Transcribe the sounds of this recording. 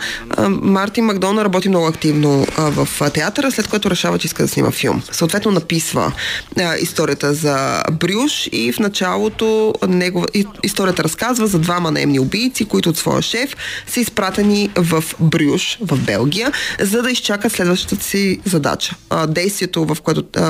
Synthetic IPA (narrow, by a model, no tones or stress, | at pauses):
maɾt̪inmɐɡd̪ɔnɾɐbɔt̪imnɔɡʊɐkt̪ivnovɐft̪ɛat̪əɾəslɛt̪kojat̪ʊɾɛʃavət͡ʃɛiskəd̪ɐsnḭmʔɐ̰filˠmsəoːt̪vɛt̪nonɐpisvə̰ | ḭst̪ɔɾijət̪əzɐbɾʲjuʃifnɐt͡ʃalˠot̪onɛɡovist̪ɔɾijət̪əɾɐskazvəzɐd̪vamɐnɐ̰ɛ̰mniʊbijt̪sikoit̪ʊːt̪svɔ̰jə̰ʃɛfsɐispɾat̪ɛnivɐfbɾʲjuʃvɐvbɛ̰lˠɡʲijəzɐd̪ɐist͡ʃakət̪slɛd̪vɐʃt̪ə̥t̪əsizɐd̪a̰t͡ʃə̥d̪ɛjst̪viɛt̪ovɐfkoɛt̪ʊ